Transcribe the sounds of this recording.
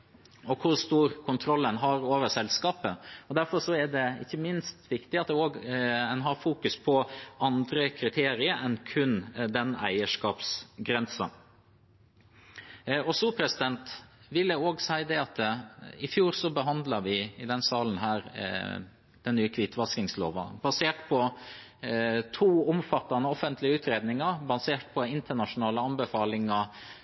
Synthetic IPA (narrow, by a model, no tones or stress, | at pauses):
ɔkʰʊɾʂt̪uːɾkʰʊnt̪ʰɾɔlːənɦɑɾoːʋəsɛlskɑːpəɔd̪æɾfɔɾʂɔæɖɛɪ̰çːəmɪnst̪ʋɪkt̪ɪɑt̪̚d̪ɛoːɡɛnɦɑɾfuːkʉspʰɔʔɑnd̪ɾəkʰɾɪt̪ʰeːɾɪəɾʔɛnkʰʉnd̪ɛnæ̰ɪəʂkɑːpsɡɾɛnsɑ̰ | ɔsupʰɾɛsɪd̪ɛnt̪ | ʋɪlːəoːɡsæɪd̪ɛɑt̪ɪfjuːɾsɔbəɦɑnd̪lɑɾʋɪɪd̪ɛnsɑːlən̩ɦæːɾ | d̪̥ɛnnːyːəkʰʋɪt̪ːʋɑskɪŋslo̰ːʋəbɑseːʈpʰɔ | t̪ʰuːɔmfɑt̪ːɑnəɔfənt̪ʰlɪəʉːt̪ʰɾeːd̪nɪŋɑbɑseːʈ̚pʰɔɪnt̪əɳɑʂʊnɑːləɑnbəfɑːlɪŋɑ